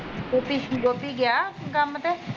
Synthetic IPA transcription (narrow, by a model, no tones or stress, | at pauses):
oːpid͡ʒoːpiːɡɪjaːkəmət̪e